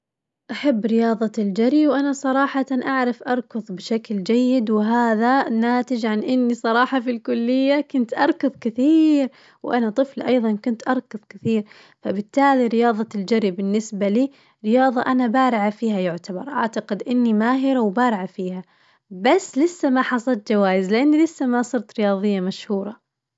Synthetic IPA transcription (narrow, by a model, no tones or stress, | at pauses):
ʔaħabːɾɪjɑːðˤɑld͡ʒaɾiwʔanasˤɑɾˤɑːħɑt̪anʔaʕɾɑfʔɑɾˤkʊðˤbɪʃakld͡ʒajːɪd̪wɪɦaːðanaːt̪ɪd͡ʒʕanʔɪnːisˤɑɾˤɑːħɑfilkʊlːɪjːakʊnt̪ʔɑɾˤkʊðˤkɪθiːɾ | wʔanat̪ˤɨflʔɑjðˤɑnkʊnt̪ʔɑɾˤkɑðˤkɪθiːɾ | fabɪt̪ːaːliɾɪjɑːðˤɑld͡ʒaɾibɪnːɪsbaliː | ɾɪjɑːðˤɑʔanabaːɾɪʕafiːhajʊʕt̪abɑɾˤʔa̰ʕt̪aqɪd̪ʔɪnːimaːɦɪɾawbaːɾɪʕafiːha | basːlɪsːamaħɑsˤɑlt̪̚d͡ʒawaːjɪzlɪʔanːilɪsːamasˤɨɾt̪ɾɪjɑːðˤɨjːamaʃhuːɾˤɑ